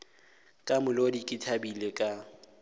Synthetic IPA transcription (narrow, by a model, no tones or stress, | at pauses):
kʼamʊlodikʼɪtʰabilekʼa